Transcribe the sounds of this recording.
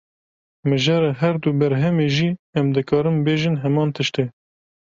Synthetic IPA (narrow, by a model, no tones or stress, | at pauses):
mɨʒɛɾɛɦɛɾd̪uːbɛɾɦɛmeːʒiːɛmd̪ɨkʰɑːɾɨmbeːʒɨnɦɛmɑːnt̪ʰɨʃt̪eː